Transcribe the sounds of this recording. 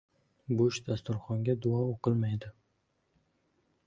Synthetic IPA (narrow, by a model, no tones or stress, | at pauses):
bʊʃd̪ast̪ʊɾχɒŋɡʲad̪ʊɒoqɨlˠmajd̪ɪ